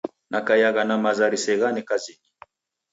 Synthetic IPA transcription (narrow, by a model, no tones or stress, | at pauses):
nʔakajaɣanamazaɾisɛɣanɛkazini